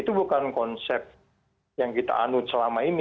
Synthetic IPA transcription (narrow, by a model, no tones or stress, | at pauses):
it̪ubukankɔnsɛp̪̚ | jaŋkit̪a̰ʔanusəlamaini